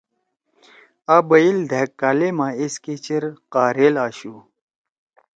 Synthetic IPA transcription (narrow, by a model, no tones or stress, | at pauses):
aːbɐild̪ʱekːaːlemãesket͡ɕiɾqaːɾeːlaːɕu